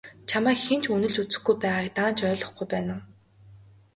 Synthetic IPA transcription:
t͡ɕʰamæːkxen̥t͡ɕʰunɘ̆ɮt͡ɕut͡sɘ̆xɡujpæːʁaːk̚t̪aːnt͡ɕœːɮɞ̆χɡujpæːnăː

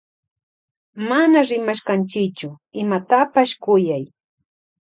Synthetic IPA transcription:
manaɾɪmaʃkant͡ʃɪt͡ʃʊ | ɪmat̪apaʃkʊjaj

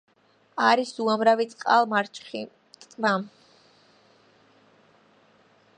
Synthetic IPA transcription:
aɾisuamɾavit̪sʼqʼalˠmaɾt͡ʃʰχi | mam

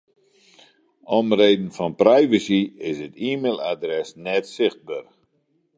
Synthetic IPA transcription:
ɔmreːdn̩fɔnprɛjvəsiɪsətiːmeːlˠadrɛsnɛtsɪxt̚bar

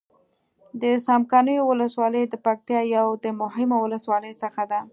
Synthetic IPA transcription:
d̪əsɑmkɑnəjowʊləswɑləjd̪əpak̚t̪jɑjawd̪əmʊɦɪmawʊləswɑləjsəxad̪a

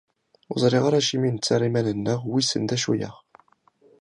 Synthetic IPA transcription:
ʊzˤɾˤiʁaɾæʃimint͡sːaɾˤimænənːəʁwisə̰nd̪æʃujə̰ʁ

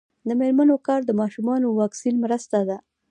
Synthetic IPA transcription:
d̪əmeɾmanokɑɾd̪əmɑʃumɑnowɑksinmɾəst̪ad̪a

